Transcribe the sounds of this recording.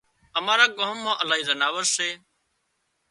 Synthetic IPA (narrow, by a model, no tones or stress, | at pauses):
əmaːɾaːɡoːɦmːãːʔəlaːɦiːzənaːʋəɾseː